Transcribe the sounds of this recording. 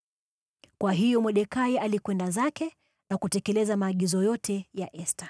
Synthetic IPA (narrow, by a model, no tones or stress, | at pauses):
kwaɦijɔmwɛɗɛkaialikwɛndazakɛ | nakutɛkɛlɛzamaːɠizɔjɔtʰɛjaʔɛsta